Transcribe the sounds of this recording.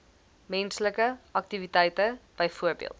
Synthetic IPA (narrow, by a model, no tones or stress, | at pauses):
mɛnsləkəʔɐk̚tivitəjtəb̥əjfuərbḭə̰lˠt